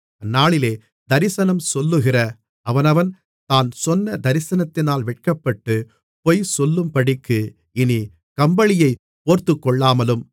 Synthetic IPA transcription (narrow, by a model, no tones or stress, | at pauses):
ɐnːaːɭɪleː | d̪ɐɾɪsɐnɐmsɔlːɯɣɪrɐ | ɐʋɐnɐʋɐn | t̪aːnsɔnːɐd̪ɐɾɪsɐnɐt̪ːɪnaːlʋɪʈ̚kɐpːɐʈːɯ | pɔjsɔlːɯmpɐɽɪkːɯ | ɪni | kɐmbɐɭɪjɐɪ | poːɾt̪ːɯkːɔɭːaːmɐlɯm